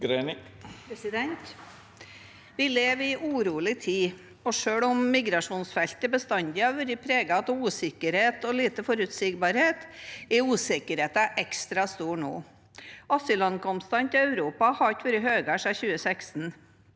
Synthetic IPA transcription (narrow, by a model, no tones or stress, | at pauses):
ɡɾen | ɪd̪ɛnt̪ | ʋɪleːʋɪʔuːɾuːəlɪt̪ʰiː | ɔʂøːɽɔmːɪɡɾɑʂuːnsfɛlt̪ɪbəst̪ɑnd̪ɪɑʋʉɾɪpʰɾeːɡɑt̪uːsɪkəɾheːt̪ɔliːt̪əfɔɾʉt̪sɪɡbɑɾheːt̪ɛuːsɪkəɾheːt̪ɑʔɛkst̪ɾɑst̪uːɳo̰ː | ɑsʏlɑnkɔmst̪ɑnt̪ɪœʉɾuːpɑhɑt̪ʋøːɾəɦøːɡɑʂæçʉːəsɛksn̩